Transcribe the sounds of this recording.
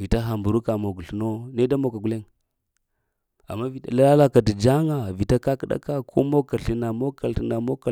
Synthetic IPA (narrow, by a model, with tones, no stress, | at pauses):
vi˨ta˦ɦa˨mbu˨ɾu˦ka˨mo˨ɡu˨ɬu˨no˦ne˦da˦mo˨ka˨ɡu˦le˦ŋ | a̰˨mːa˦vi˨a̰˨la˦la˦la˦ka˨di˨d͡ʒa˦ŋa˨vi˨ta˦ka˦kə˦ɗa̰˦ka˦kʰo̰˦mo˦ka˨ɾɬi˦na˨mo˦ka˨lti˨na˨mo˦ka˨